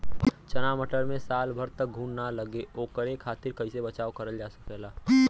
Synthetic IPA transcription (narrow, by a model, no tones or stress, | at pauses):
t͡ʃɐnaːməʈəɾmẽsaːlbʱəɾt̪ək̚ɡʱũːnnaləɡeʔoːkəɾekʰaːt̪ɪɾkəɪsebət͡ʃaːokəɾəld͡ʒaːsəkɛːlaː